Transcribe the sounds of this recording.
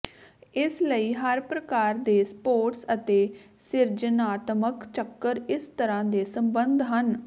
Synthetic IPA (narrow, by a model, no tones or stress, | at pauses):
ɪsləiːɦəɾpɾəkaːɾd̪eːspoːɾʈsət̪eː | sɪɾd͡ʒənaːt̪məkt͡ʃəkːəɾɪst̪əɾãːd̪eːsəmbənd̪ʱɦən